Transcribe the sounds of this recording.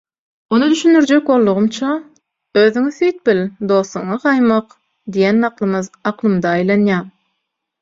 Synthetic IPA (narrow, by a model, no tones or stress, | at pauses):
onɯd̪yʃynd̪yɾd͡ʒek̚bo̞lˠːuʁumt͡ʃʰɑ | øːðyŋyθyjt̪̚bild̪o̞ːsuɴɑqɑjmɑq | d̪ijenːɑqlˠɯmɯðɑqlˠɯmd̪ɑːjlˠɑnjɑːm